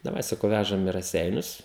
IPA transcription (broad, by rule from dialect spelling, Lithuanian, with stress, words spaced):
dɐˈʋɐɪ sɐˈkɐʊ ˈʋʲæʒɐm ɪ rɐˈsʲɛɪnʲʊs